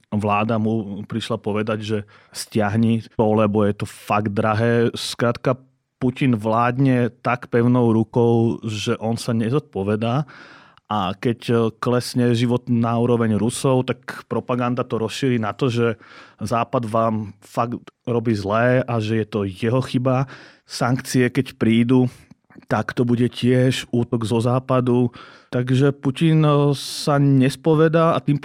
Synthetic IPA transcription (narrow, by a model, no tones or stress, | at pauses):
ʋlaːd̪amupɾiʃlapɔʋɛd̪aɟʒɛ | scɪaɦɲiɔlɛbɔjɛt̪ɔfaɡ̪d̪ɾaɦɛːskɾaːt̪ka | pucinʋlaːd̪ɲɛt̪akpɛʊnɔʊɾukɔʊʒɛʔɔnsaɲɛzɔt̪̚pɔʋɛd̪aː | ʔakɛcklɛsɲɛʒiʋɔt̪naːuːɾɔʋɛɲɾusɔʊt̪akpɾɔpaɡand̪at̪ɔɾɔsʃiɾiːnat̪ɔʒɛzaːpad̪ʋaːmfaɡt̪ɾɔbiːzlɛːʔaʒɛjɛt̪ɔjɛɦɔxiba | saŋkt͡siɛkɛcpɾiːd̪u | t̪akt̪ɔbuɟɛcɪɛʒuːt̪ɔɡzɔzaːpad̪u | t̪aɡʒɛpucinsaɲɛspɔʋɛd̪aːat̪im